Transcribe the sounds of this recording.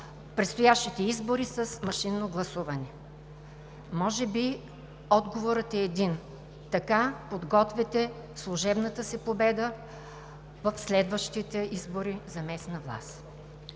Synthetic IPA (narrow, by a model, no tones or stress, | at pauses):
pɾɛt̪st̪ojaʃt̪it̪ɛizboɾisəsmɐʃinːoɡlˠɐsuvɐnɛ | mɔʒɛbi | ɔd̪ɡovoɾət̪ɛːd̪in | t̪ɐkapod̪ɡɔt̪vɛt̪ɛ | slˠuʒɛbnət̪əsɛpobɛd̪ə | vɐfslɛd̪vəʃt̪it̪ɛizboɾizɐmɛsnəvlˠa̰s